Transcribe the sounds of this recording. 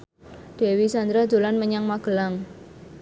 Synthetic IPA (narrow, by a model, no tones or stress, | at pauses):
ɖ̥ɛ̤wisand̪ɾad̪o̤lanməɲaŋmaɡ̥ə̤laŋ